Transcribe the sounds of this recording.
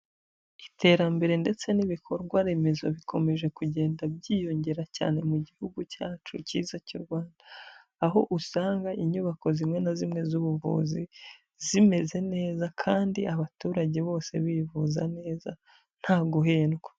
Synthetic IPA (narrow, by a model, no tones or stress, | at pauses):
i̥tʰe̞ːɾambe̞ɾe̞nde̞t͡se̞niβikʰo̞ɾɡwaɾe̞me̞zo̞βikʰo̞me̞ʒe̞kuɟe̞ːndabɟiːjo̞ɲɟe̞ɾaca̰ːne̞muɟihuɡucaːt͡ʃuciːzacuɾɡwaːndaː | ɦo̞ʔusaːŋɡaʔiɲuβako̞zimŋe̞nazimŋe̞zuβuvṵːzi | zime̞ze̞ne̞ːzakʰaːndiʔaβatuːɾaɟe̞βo̞ːse̞βiːvuzane̞ːza | n̥haːɡuɦeːnɡwa